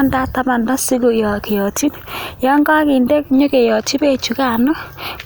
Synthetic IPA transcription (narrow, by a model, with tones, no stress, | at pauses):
nda˦ta˦ma˨nda˦si˦ɡo˨jɔ˨ke˨jɔ˨ti˦ | jɔ˦ŋɡa˦ki˨ndɛ˦kɲo˦ke˨jɔ˨ti˦be˦t͡ʃu˨ka˨no˦